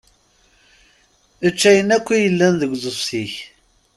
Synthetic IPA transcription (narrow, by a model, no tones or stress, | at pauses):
ət͡ʃːæjənækʷːijəlːænðəɡʷzˤəsiç